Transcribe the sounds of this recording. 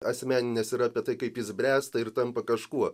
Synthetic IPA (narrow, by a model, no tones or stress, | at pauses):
ɐsʲmʲæːnʲɪnʲɛsɪɾɑːpʲiɛt̪ɐɪkɐɪpjɪzʲbʲrʲæːst̪ɐɪrt̪ɐmpɐkɐʃkuɔ